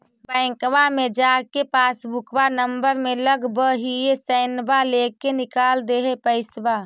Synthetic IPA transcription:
bəɪ̃kwamẽd͡ʒaːkepaːsbʱʊkʋanəmbəɾmẽləɡbəɦiesəɪnbaleːkenɪkaːld̪eɦepəɪsba

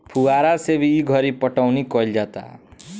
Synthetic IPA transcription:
pʰuwaɾasebiiɡʱʌɾipʌʈawnikʌld͡ʒat̪a̰

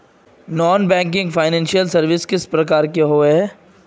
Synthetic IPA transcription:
nɔːnbɛ̃ːŋk̬ɪ̃ŋɡfʰaːɪnɛ̃ːnʃijəlsɐɾʋɪskɪspɾɐkaːɾkeɦoːɛː

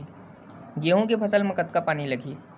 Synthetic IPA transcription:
ɡeːɦõkepʰɐsəlmẽkət̪kapaːnilɐɡʱiː

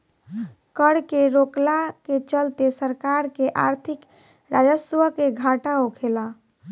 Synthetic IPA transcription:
kəɽkeɾoklaket͡ʃəlt̪esəɾkaɾkeʔaɾt̪ʰik | ɾad͡ʒəsʋəkeɡʱaʈaokʰela

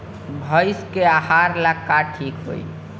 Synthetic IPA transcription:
bʱəjskeahaɾlakːaʈʰikɦo̰j

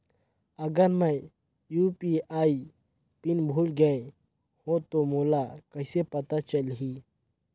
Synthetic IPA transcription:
ɐɡəɾmə | juːpiːaːi | pɪnbʱuːlɡəẽ | hõt̪omoːlakɐɪsepɐt̪at͡ʃəlɦiː

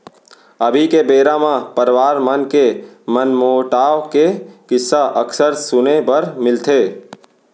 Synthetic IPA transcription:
ɐbʱikebeːɾamãpəɾʋaːɾmənkemənmoːʈaːkekɪsːaʔɐksəɾsʊnepɐɾmɪlt̪ʰeː

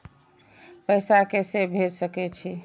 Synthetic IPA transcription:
pəjsakesebʱed͡ʒsəkɛt͡ʃʰi

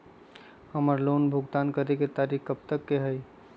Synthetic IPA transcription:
həməɾlonbʱuɡt̪ankəɾeket̪aɾikːəp̚t̪əkːeɦəj

